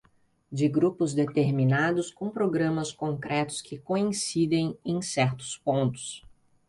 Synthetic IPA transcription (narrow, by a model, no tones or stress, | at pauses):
d͡ʒɪɡɾupʊzd̪et̪eɾminad̪ʊskõw̃pɾoɡɾɐ̃mɐskõkɾɛt̪ʊ̥skʰɪkoĩsid̪ẽj̃ẽj̃sɛɾt̪ʊ̥spõnt̪ʊ̥s